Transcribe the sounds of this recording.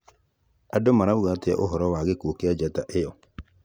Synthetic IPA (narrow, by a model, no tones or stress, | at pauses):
adomaɾauɣatea̰ʔoɦɔɾɔwaɣekokead͡ʒataʔejɔ